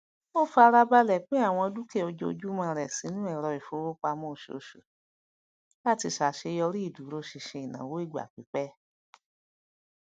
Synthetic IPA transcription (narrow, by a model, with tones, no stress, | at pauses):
o˦˨fa˧ɾa˧ba˧lɛ˦˨k͡pẽ˦a˦˨w̃ɔ̃˧du˦ke˦˨o˧d͡ʒo˧d͡ʒu˦mã˧ɾɛ˨sĩ˨˦nũ˦ɛ˦˨ɾɔ˧i˨fo˨˦wo˦k͡pa˧mõ˦˨ʃo̰˨ʃo˨ | la˦˨ti˧ʃa˨ʃe˧jɔ˧ɾi˦i˦˨du˨˦ɾo˧˦ʃi˧˨ʃe˧i˨nã̰˨wo˨˦i˦˨ɡ͡ba̰˨k͡pi˨˦k͡pɛ˦